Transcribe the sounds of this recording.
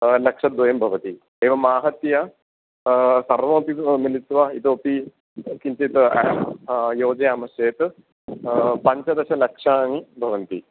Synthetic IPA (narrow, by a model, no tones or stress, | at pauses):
lɐkʂɐd̪ʋɐjɐmbʱɐʋɐt̪i | eːʋɐmaːɦɐt̪jɐ | sɐɾʋɐːpimilit̪ʋait̪opi | kiɲt͡ʃɐt̪ɨ | joːd͡ʒɐjaːmɐsjeːt̪ɨ | pɐɲt͡ʃɐd̪ɐɕɐlɐkʂaːŋibʱɐʋɐnt̪i